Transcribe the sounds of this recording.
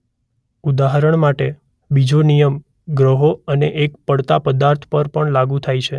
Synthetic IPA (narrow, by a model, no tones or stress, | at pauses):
ud̪aɦaɾəɳmaʈe | bid͡ʒonijəm | ɡɾəɦoəneʔek̚pəɽt̪apəd̪aɾt̪ʰpəɾpəɳlaɡũt̪ʰajt͡ʃʰe